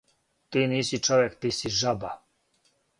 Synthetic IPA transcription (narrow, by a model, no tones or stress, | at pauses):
t̪ʼinisit͡ʃɔvɛkt̪isiʒaba